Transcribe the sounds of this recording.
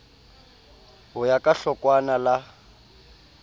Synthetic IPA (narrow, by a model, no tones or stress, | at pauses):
ɦʊjakʼaɬɔkwanala